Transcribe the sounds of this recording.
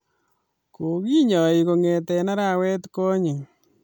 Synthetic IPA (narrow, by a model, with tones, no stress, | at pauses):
ko˨ki˦ɲɔ˨i˨ko˨ŋe˨tɛ˨na˦ɾa˨wɛ˦tko˦ɲɪ˨ŋ